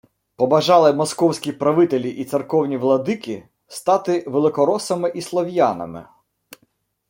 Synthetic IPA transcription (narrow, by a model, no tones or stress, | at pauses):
pɔbɐʒɑlˠɪmɔskɔwsʲkʲipɾɐʋɪt̪elʲiʔit̪serkɔwnʲiʋlˠɐd̪ɪkʲi | st̪ɑt̪ɪʋelˠɪkɔɾɔsɐmɪʔislˠɔwjɑnɐ̰mɪ̰